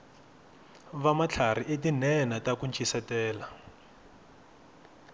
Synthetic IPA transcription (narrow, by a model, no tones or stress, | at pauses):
βamat͡ɬʰar̤iʔetinɛnatakunt͡ʃʰʼisatɛːla